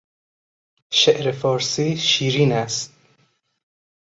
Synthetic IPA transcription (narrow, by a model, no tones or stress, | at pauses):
ʃeʔɾefɒːɾsiːʃiːɾiːnæst̪̚